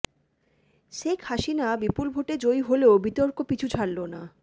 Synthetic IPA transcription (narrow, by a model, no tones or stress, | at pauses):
ʃekʰaʃinabipulbʱoʈed͡ʑojɦoleobit̪oɾkokit͡ɕʰut͡ɕʰaɽlona